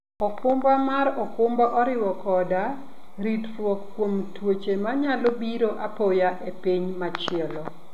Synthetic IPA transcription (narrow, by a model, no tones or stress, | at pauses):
ɔkʊmbamaɾɔkʊmbaʔɔɾɪwɔkɔda | ɾitrwɔkkːwomtwot͡ʃemaɲalobiɾoʔapojaʔepiɲmat͡ʃɪɛlɔ